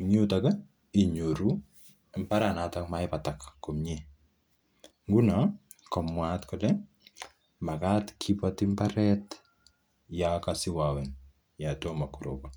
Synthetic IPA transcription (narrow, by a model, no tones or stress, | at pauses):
ɲutaka | iɲoɾu | mpaɾanatakmajpatakkːɔmɲe | ŋɡuna | kɔmwatkɔlɛ | makatkʰipatimpaɾɛt | jakasɪwawɛn | jatomakuɾo̰ba